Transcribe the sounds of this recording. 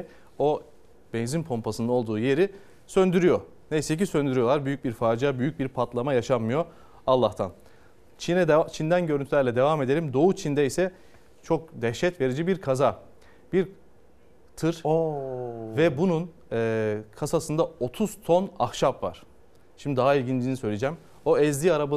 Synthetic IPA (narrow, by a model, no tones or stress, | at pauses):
o̞ | bɛnzinpʰo̞mpʰasɯno̞lˠd̪uːje̞ɾi | sønd̪yɾyjo̞ | ne̞jsɛc̬isø̞nd̪yɾyjo̞lˠaɾbyjyc̚biɾfaːd͡ʒiabyjyc̚biɾpʰat̪lˠamajaʃamːɯjo̞ | alˠːaht̪ʰan | t͡ʃʰinɛd̪at͡ʃʰind̪ænɟøɾynt̪ʰylʲæɾlʲɛd̪e̞vamed̪elʲimd̪o̞ut͡ʃʰind̪ɛisɛ | t͡ʃʰok̚d̪ɛʃːɛt̪ve̞ɾed͡ʒibiɾkʰaza | b̥iɾ | t̪ʰɯɾ | vɛbunun | ɛːkʰasasɯnd̪ao̞t̪ʰuz̥t̪ʰo̞naxʃapva̰ɾ̥ | ʃimd̪id̪aɦailʲɟind͡ʒinisø̞jlʲed͡ʒɛm | o̞ɛzd̪iːaɾaba